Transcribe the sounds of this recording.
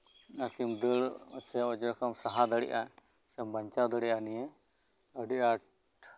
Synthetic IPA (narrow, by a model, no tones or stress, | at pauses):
akimd̪əɽsɛɔd͡ʒɔɾkamsaɦad̪əɽɛ̰ʔa | sɛmbəɲt͡ʃawd̪əɽɛʔanijɛ | əɖiʔa